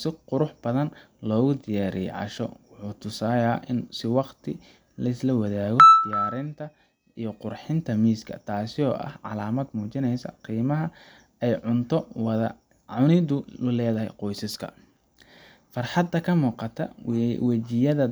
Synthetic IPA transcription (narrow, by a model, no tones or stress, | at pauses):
sɪqʊɾʊħb̥ɐðɐn | lɔːɣʊd̪ɪjaːɾɪ̰jɛ̰ʕɑ̰ʃɔ̰wʊħuːt̪ʰʊsaːjaːʔɪnsɪwɑqt̪ʰɪ | lɐɪslɐwɐðaːɣɔd̪ɪjaːɾɪnt̪ʰɐ | ijɞqʊrħɪnt̪ʰɐmiːskʰɐ̰t̪ʰaːsɪɔːʔɐ̰hʕɑ̰laːmɐd̪muːt͡ʃɪnɛjsɐ̰qiːmɐɦɐ | ɛjʕʊnt̪ʰɔwðɐ | ʕʊnɪðʊlʊlɛːðɐɦɛ̰jqɔjsɐskʰɐ̰ | fɑrħɑd̪ɐkʰɐmuːqɑt̪ʰɐ̰wɐt͡ʃɪjɐðɐ